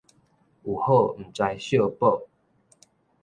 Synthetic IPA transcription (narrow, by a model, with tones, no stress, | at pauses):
u˨˩ho˥˨m̩˨˩t͡swa˧jɕjo˥˧po˥˨